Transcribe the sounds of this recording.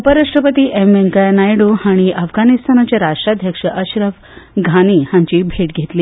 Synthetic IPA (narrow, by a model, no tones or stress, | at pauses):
upəɾaʂʈɾəpət̪iːʔemʋeŋkajnajɽohaɽ̃iʔəfɡanist̪ʰanat͡ɕjaɾaʂʈɾad̪ʱjəkʂəʔəɕɾəʋ | ɡʱaniːhãɲt͡ɕiːbʱeʈɡʱet̪liː